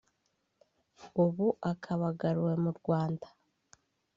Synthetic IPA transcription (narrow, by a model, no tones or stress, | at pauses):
uβuʔakʰaβaɡaɾuwe̞muɾɡwaːndḁ